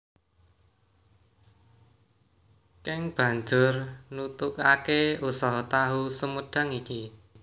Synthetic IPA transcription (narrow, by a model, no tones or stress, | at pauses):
kɪŋb̥ä̤ɲd͡ʒʊrnut̪ʊkakeusɔɦt̪aɦusəməɖ̥a̤ŋiki